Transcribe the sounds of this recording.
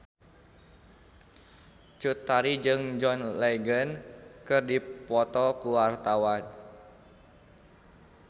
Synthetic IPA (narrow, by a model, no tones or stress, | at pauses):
t͡ʃut̪ːaɾid͡ʒɨŋd͡ʒɔnleɡənkɨrdipɔt̪ɔkuwart̪awan